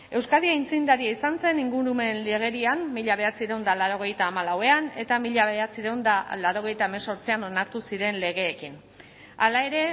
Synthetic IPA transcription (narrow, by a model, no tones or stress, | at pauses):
e̞wskaðiaint͡sind̪aɾiaisanse̞niŋɡuɾume̞nle̞ɣ̞e̞ɾiamːiʎaβ̞e̞at͡siɾewnd̪alaɾo̞ɣ̞e̞jt̪aːmalawe̞ane̞t̪amiʎaβeat͡siɾewnd̪alaɾo̞ɣ̞e̞jt̪aemeso̞ɾt͡siano̞naɾt̪usiɾe̞nle̞ɣ̞e̞ːkin | alae̞ɾe̞